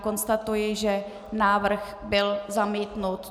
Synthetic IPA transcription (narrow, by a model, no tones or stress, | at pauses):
ko̞nst̪at̪ujɪʒɛ | naːvr̩x | bɪlzamiːt̪nut̪